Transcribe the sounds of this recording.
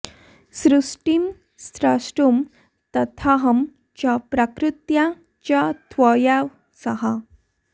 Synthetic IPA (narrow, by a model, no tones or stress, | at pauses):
sɾusʈim | st̪ɾasʈum | t̪ɐt̪ʰaɦəm | t͡ɕjapɾakɾut̪ja | t͡ɕjat̪ʰʋəjaʋ | səɦa